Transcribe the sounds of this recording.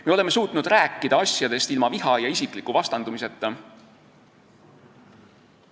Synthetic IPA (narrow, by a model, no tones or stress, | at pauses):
meole̞mːe̞suːt̪nud̪̥ɾæːkːˑid̪̥ɑɑsjɑd̪e̞st̪ilmɑviɦɑjɑisiklikːuvɑst̪ɑnd̪umise̞t̪ːˑɑ